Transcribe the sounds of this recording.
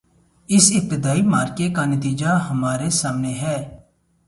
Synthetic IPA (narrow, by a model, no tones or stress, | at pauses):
ɪsɪp̚t̪ɪd̪aːimaːɾkekanət̪iːd͡ʒaɦəmaːɾesaːmneɦɛː